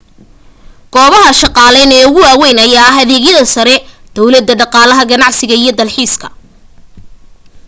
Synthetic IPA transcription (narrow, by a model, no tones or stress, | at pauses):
ɡ̥ɔːβɐɦɐʃɑqɑːlɛːnɛːʊɣʊwaːwɛjnɐjaːɦɐðɛːɣjɐðɐsɐɾɛ | d̪̥ɔwlɐd̪ːɐɖɑqɑːlɐɦɐɡɐnɑʕsɪɣɐijɞd̪ɐlħiːskʰɐ̥̰